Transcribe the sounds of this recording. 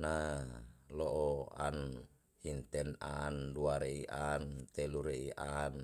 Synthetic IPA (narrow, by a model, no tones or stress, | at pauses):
na | lɔʔɔan | hint̪ɛnanduaɾeiʔant̪ɛluɾeiʔan